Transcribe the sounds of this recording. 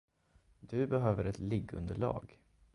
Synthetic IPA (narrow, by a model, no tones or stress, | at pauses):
d̪ɵbɛɦøːvəɾɛt̪lɪɡːɵ̰nd̪əɭɑ̰ːɡ